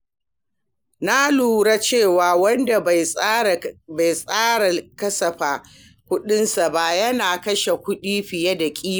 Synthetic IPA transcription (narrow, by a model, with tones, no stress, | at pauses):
na˦luː˨ɽa˦t͡ʃeː˦˨waː˨wɐ˦nda˨˦˨ | ba˨jsʼaː˦ɽa˨kɐ˦sɐ˨ɸaː˨ | kʷʊ˦ɗɪ˦nsa˨ba˦˨jɐ˦naː˨kɐ˦ʃe˨kʷʊ˦ɗiː˦ɸɪ˨ja˦da˨kʲʼiː˦˨